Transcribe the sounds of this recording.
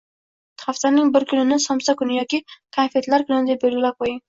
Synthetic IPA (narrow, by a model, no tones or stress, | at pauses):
t̪ʰχaft̪aɾnɪŋbɪɾkʰʲʊnɪnɪsɒmsakʊnɪjɒkʲikʰafe̞t̪laɾkʰʊnɪnɪd̪ep̚belɡʲɪlap̚qʰojɪŋ